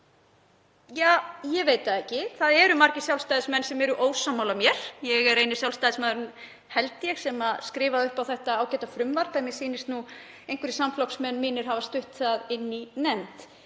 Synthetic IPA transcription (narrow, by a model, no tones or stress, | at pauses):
jaːjɛveːjt̪aɛhcɪθaðɛɾʏmaɾcɪ̥sjawlst̪ajðɪsmɛnːsɛmɛɾʏʔoːwsamːawlamjɛɾ̥jɛɣɛɾeːjnɪsjawlst̪ajðɪsmaðɾʏn | hɛlt̪ɪjɛɣsɛmaskɾɪːvaðʏhpawθɛht̪aaːwcɛt̪afɾʏmvaɾp̪ɛmjɛsiːnɪst̪nu | ejnkʰvʏɾɪsamflɔwksmɛnːmiːnɪɾ̥ɦavast̪ʏht̪θaðɪnːinɛmt̪